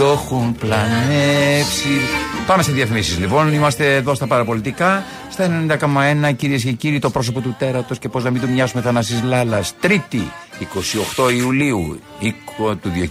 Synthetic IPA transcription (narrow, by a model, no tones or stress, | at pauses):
oxumplɐnefsipɐme̞seðiɐfimisizlipo̞nimɐst̪e̞ːðo̞st̪ɐpɐɾɐpo̞lit̪ikɐ | st̪ɐenenind̪ɐko̞mɐe̞nɐciɾie̞sce̞ciɾit̪o̞pɾo̞s̬o̞po̞t̪ut̪e̞ɾɐt̪o̞sce̞po̞znɐmind̪umɲɐsumeθɐnɐsizlɐlɐst̪ɾit̪iːko̞sio̞xt̪o̞iuliu | ikot̪uðo